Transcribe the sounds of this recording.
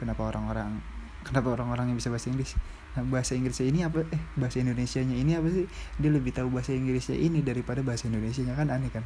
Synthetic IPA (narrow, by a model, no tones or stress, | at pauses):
kənapaoɾaŋoɾaŋ | kənapaoɾaŋoɾaŋɲabisabaɦasaiŋɡɾɪs | nabaɦasaiŋɡɾɪsainiapaʔɛbaɦasaindonesiaɲainiapas̬idialəbɪht̪aubaɦasaiŋɡɾɪsɲa̰ʔinidaɾipadabaɦasaindonesiaɲakananekan